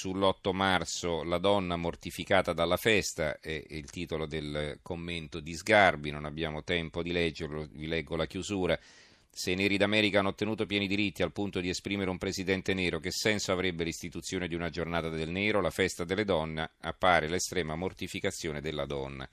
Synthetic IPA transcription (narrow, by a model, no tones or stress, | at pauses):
sulːɔt̪ːomart̪solad̪ɔnːamort̪ifikaːt̪ad̪alːafɛst̪aɛilt̪iːt̪olod̪elkomːent̪od̪izɡarbinonabːjaːmot̪ɛmpod̪ilɛd͡ʒːeɾlovilɛɡːolakjuzuːɾa | senɛːɾid̪amɛːɾikanːot̪ːenuːt̪opjɛːnid̪iɾit̪ːialpunt̪od̪iespɾiːmeɾeumpɾezid̪ɛnt̪eneːɾok̟esːɛnsoavɾebːelist̪it̪ut̪sːjoːned̪iunad͡ʒornaːt̪ad̪elnɛːɾolafɛst̪ad̪elːed̪ɔnːea̰pːaːɾelest̪ɾɛːmamort̪ifikat̪sːjoːned̪elːad̪ɔnːa̰